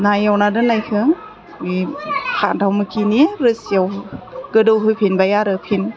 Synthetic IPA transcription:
najawnadɯnajkʰɯŋ | ihʰantʰawmɯkʰiniɾɯsijawɡɯdowɦɯpʰinbajaɾɯpʰin

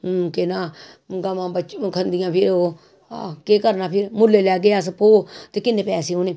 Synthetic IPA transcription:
kenaː | ɡamãːbət͡ʃkʰənd̪ɪjãːpʰɪɾoː | keːkəɾnaːpʰɪɾmʊlːeːlɛːɡeaːspoːt̪eːkɪnːẽːpɛːseːɦoːneː

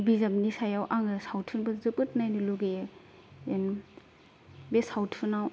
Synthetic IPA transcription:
bizamnisajawʔaŋɯsawtʰunbɐzɯpɯt̚najnɯluɡe | en | besawtʰunaw

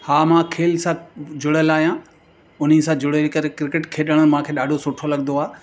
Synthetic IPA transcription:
haːmãkʰeːlsãd͡ʑʊɽəlaːɦijã | ʊn̤isãd͡ʑʊɽəkɐɾekɾɪkɪʈkʰeːɗəɽ̃ən̆mãkʰeːɗaːɖʱosʊʈʰolɐɡnd̪oaː

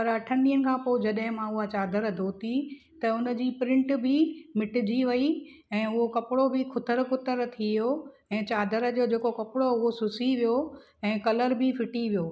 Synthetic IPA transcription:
pɐɾɐʈʰənɗiːənɪ̆kʰãːpoːɪd͡ʑɐɗɦɪ̃mãʊɦat͡ɕaːd̪ʱəɾd̪ʱoːt̪i | t̪ɐʊnd͡ʑiːpɾɪ̃ɳʈbʱɪmɪʈɪd͡ʑiʋɐi | ɛ̃ːʊɦokɐpɪɽobʱɪkʰʊt̪əɾkʊt̪əɾt̪ʰijoɛ̃ːt͡ɕaːd̪ʱəɾ̆d͡ʑoːd͡ʑeːkokɐpɪɽoʊɦosʊsiʋijo | ɛ̃ːkɐləɾbʱɪfɪʈiʋijoː

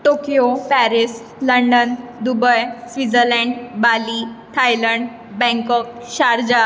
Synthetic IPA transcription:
ʈokijopæɾis | ləɳɖənd̪ubəjsʋid͡zəɾlɛ̃ɳɖbalit̪ʰajləɳɖ | bɛ̃ŋkɔk̚ | ɕaɾd͡ʑa

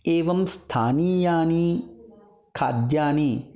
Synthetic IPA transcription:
eːʋɐmst̪ʰaːniːjaːni | kʰa̰ːd̪jaːni

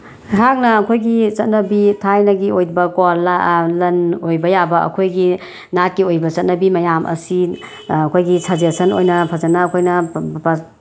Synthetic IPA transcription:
ɦak̚nɐːkʰojɡit͡ʃɐt̚nɐbitʰajnɐɡiojbɐkolalɐnojbɐjabɐɐ̰kʰojɡi | nat̚kiojbɐt͡ʃɐt̚nɐbimɐjamʔɐ̰si | ɐkʰojɡisʰazesɐno̰jnɐpʰɐd͡ʒɐnɐːkʰojnɐpɐ

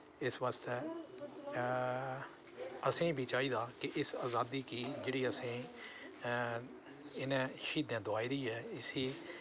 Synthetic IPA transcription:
ɪsʋaːst̪ɛː | əsĩːbʱiːt͡ʃaːiːd̪aːkɪʔɪsaːzaːd̪iːkiːd͡ʒeːɽiːəsĩː | ɪnẽːʃiːd̪ãːd̪ʊaːiːd̪iːɛːɪsiː

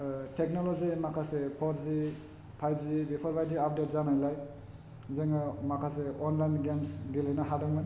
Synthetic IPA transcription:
tʰek̚nolozimakʰasepʰɔɾzi | pʰajp̚ʰzibipʰɔɾpʰajziap̚det̚zanajlaj | zɯŋɯmakʰaseɔnlajnɡemsɡilejnaɦadɔŋmɯn

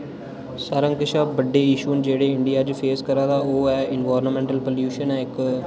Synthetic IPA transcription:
saɾə̃ŋkɪʃaːbəɖːeːɪʃuːnd͡ʒeːɽeːɪɳɖɪjaːd͡ʒpʰeːskəɾaːd̪aːoːɛːɪnʋaːɾnəmɛ̃ːɳʈəlpoljuːʃənɛːɪk

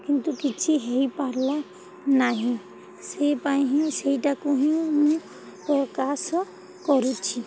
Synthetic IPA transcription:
kint̪ukit͡ʃʰiɦeɦipaɾla | naɦĩ | seipaj̃ɦĩseiʈakuɦĩmũ | pɾɔkas | kɔɾut͡ʃʰi

